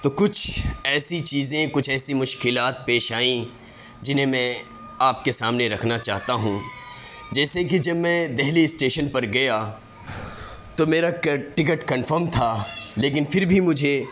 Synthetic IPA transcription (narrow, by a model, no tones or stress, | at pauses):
t̪oːkʊt͡ʃʰɛːsit͡ʃiːzẽkʊt͡ʃʰɛːsimʊʃkɪlaːt̪̚peːʃaːĩ | d͡ʒɪnɦẽmɛ̃ | aːp̚kesaːmneɾɐkʰnat͡ʃaːɦt̪aɦũ | d͡ʒɛːsekid͡ʒɐbmɛ̃d̪ɛɦliɪsʈeːʃənpɐɾɡɐja | t̪omeːɾaʈɪk̬əʈkɐnfəɾmt̪ʰaleːk̬ɪnfɪɾbʱimʊd͡ʒʱe